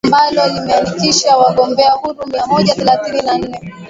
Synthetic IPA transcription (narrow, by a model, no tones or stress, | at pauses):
mbalɔlimɛandikiʃawaɠɔmbɛahuɾumiamɔʄaθɛlaθininan̩nːɛ